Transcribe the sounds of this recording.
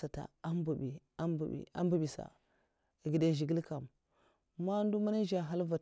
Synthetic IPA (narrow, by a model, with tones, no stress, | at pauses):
a˨ta̰˨a˦mbu˨bi˨a˦mbṵ˨ḭ˨a̰˦m˦bu˦bi˨sa̰˨ | ɡi˨da˦˨ʒi˨ɡi˦lka˨m | ma˦n˦du˦ma˦na˦ʒa˨ɦa˦lva˨